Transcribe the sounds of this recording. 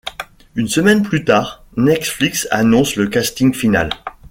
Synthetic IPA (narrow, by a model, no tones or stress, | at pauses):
ynsəmɛnplyt̪aːʁ | nɛt̪fliksa̰nɔ̃sləkast̪iŋɡfina̰l